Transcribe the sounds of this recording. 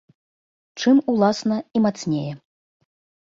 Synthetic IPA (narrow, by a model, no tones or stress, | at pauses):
t͡ʂɨmulˠasnɐimat̪snʲejɛ